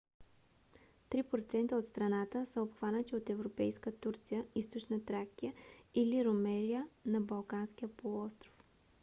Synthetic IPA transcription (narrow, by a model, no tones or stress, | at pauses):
t̪ɾipɾot̪sɛnt̪əot̪st̪ɾɐnat̪əsəopxvanət̪iot̪ɛvɾopɛjskət̪uɾt̪sijəist̪ot͡ʃnət̪ɾakijəiliɾomɛlijənɐbɐlˠkansk̟ijəpolˠɔst̪ɾo̥f